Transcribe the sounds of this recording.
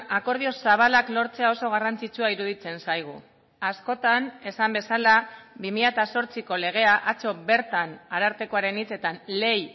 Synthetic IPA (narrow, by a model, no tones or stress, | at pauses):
ako̞ɾð̞io̞saβ̞alaklo̞ɾt͡se̞ao̞so̞ɣ̞arant͡sit͡suaiɾuð̞it͡se̞nsajɣ̞u | asko̞t̪ane̞sambe̞salaβimiʎat̪aso̞ɾt͡siko̞le̞ɣ̞e̞aʔat͡so̞βe̞ɾt̪anaɾaɾt̪e̞ko̞aɾe̞nit͡se̞t̪anle̞j